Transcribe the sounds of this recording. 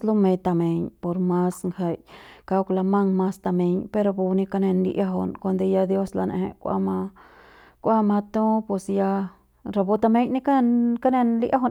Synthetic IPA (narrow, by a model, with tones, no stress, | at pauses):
lu˦me˧t̪a˧me˨ɲpo˨ɾma˦sŋha˧jka˧kla˧ma˦ŋma˦st̪a˧me˧ɲpe˧ɾo˧bu˧ni˧ka˧ne˧nlḭ˧ʔa˦ɦo̰˧nko˧nd̪e˧ja˧d̪jo˦sla˧nʔḛ˧hḛ˧kʷa̰˧ma˧ | kʷa˦ma˧t̪ũ˦pwe˧sja˧ | ɾa˧bo˧˦t̪a˧me˦ɲni˦ka˦˧nka˦ne˧nli˦ʔa˦ɦo˧